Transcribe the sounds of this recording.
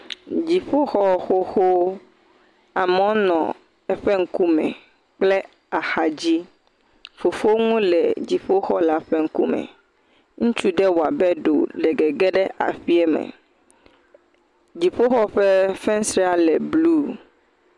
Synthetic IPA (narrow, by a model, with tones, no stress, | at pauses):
d͡ʑi˨ɸo˦xɔ˦xo˦xo˦ | a˨mɔ̃˨˦nɔ̰̃˨ | ɛ˨ɸɛ˦ŋ̩˦ku˦mɛ̰̃˨ | k͡plɛ˦ | a˨xa˨d͡ʑi˦ | fo˨fo˦ŋũ˦lɛ˨d͡ʑi˨ɸo˦xɔ˦la˦ɸɛ˦ŋ̩˦ku˦mɛ̰˨ | ŋũ˦t͡ʃu˦ɖɛ˦wa˨bɛ˦ɖo̰˨lɛ˨ɡɛ˨ɡɛ˦ɖɛ˦ʔa̰˨ɸi˦ɛ˦mɛ̰̃˨ | d͡ʑi˨ɸo˦xɔ˦ɸɛ˦fɛ̃˦sɾɛ˦a˦lɛ˨blu˦